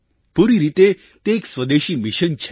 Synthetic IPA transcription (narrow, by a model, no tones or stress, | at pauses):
puɾiɾit̪e | t̪eːksʋəd̪eʃimiʃənt͡ʃʰe